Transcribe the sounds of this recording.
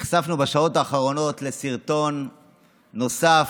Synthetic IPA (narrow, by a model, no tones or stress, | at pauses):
iχsafnubeʃao̞taːχaʁo̞no̞t̪le̞siʁt̪o̞nː | o̞saf